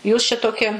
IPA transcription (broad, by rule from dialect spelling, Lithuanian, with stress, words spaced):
juːs t͡ʃʲɛ ˈtoːkʲɪ